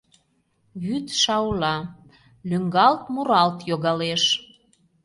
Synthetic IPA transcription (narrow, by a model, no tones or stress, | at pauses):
βyt̪ʃɑwlɑ | lyŋɡɑlt̪muɾɑlt̪joɣɑleʃ